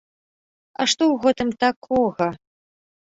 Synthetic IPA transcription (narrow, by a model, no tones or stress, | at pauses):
a̰ʂt̪ɔwɣɛt̪ɨmt̪akʰɔɣɐ